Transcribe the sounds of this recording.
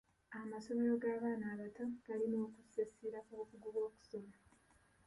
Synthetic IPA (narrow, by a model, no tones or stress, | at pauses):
amaso̞me̞ɾo̞ɡaːβaːnaːβatoɡalino̞ːkusesiɾakokuɡuβwo̞ːku̥so̞ma